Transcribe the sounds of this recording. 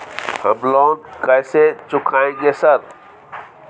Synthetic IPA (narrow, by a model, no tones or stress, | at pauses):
həblɔːnd̪kəjset͡ʃʊkʰaːẽɡesəɾ